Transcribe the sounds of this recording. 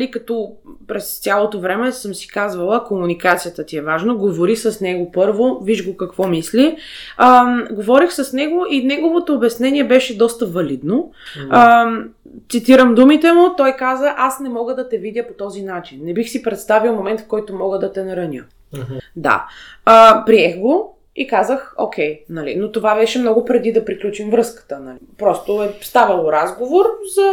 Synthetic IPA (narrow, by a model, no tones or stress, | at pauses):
likɐt̪ɔpɾɛst̪sʲjalˠot̪ovɾɛmɛsəmsi̥kazvəlˠəkomunikat̪sijət̪ət̪iɛvaʒnoɡovoɾixsəsnɛɡopɤɾvoviʒɡokɐkv̥ɔmisli | ɡovɔɾixsəsnɛɡoʔinɛɡovot̪oːbɛsnɛniɛbɛʃɛd̪ɔst̪əvɐlid̪no | t̪sit̪iɾəmd̪umit̪ɛmʊt̪ɔjkazəʔasnɛmɔɡəd̪ɐt̪ɛvid̪ʲjəpot̪ɔzinat͡ʃinːɛbixsipɾɛt̪st̪avilˠmomɛnt̪fkɔjt̪omɔɡəd̪ɐt̪ɛnɐɾɐnʲə̰ | d̪a̰əpɾiɛxɡo | ikazəxo̰kʰʲɛjnɐlḭnot̪ovabɛʃɛmnɔɡʊpɾɛd̪id̪ɐpɾiklʲut͡ʃimvɾɤskə̥t̪ənɐlipɾɔst̪oɛst̪avɐlˠoɾazɡovoɾzɐ